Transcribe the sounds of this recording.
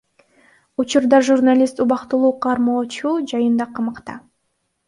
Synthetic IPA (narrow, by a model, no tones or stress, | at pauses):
ut͡ʃuɾd̪ɑʒurnalʲist̪uβɑqt̪ulˠuːqʰɑɾmoːt͡ʃud͡ʒɑjɯnd̪ɑqʰɑmɑqt̪ɑ̰